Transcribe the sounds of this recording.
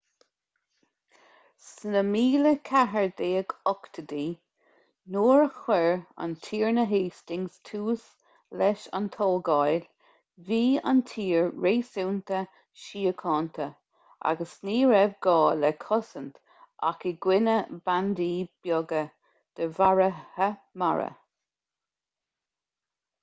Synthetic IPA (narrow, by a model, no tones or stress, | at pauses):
snəmiːləkʰaɦəɹd̪eːəɡɔkt̪ʰəd̪iː | noːɹəxwɛɹa̰nt̪ʰiːɹnəɦeːstɪŋstʰuːs | lɛʃa̰nt̪ʰɔlɡajl | viːa̰ntʰiːɹɹeːsuwnt̪ə | ʃiːəkʰɑːnt̪ʰə | a̰ɡəsniːɹɛvɡɑːlɛkʰɔsənt̪ | ʔa̰kəɡwɪnəband̪iːb̥jɔɡə | d̪̥əvaɹəhəma̰ɹə̰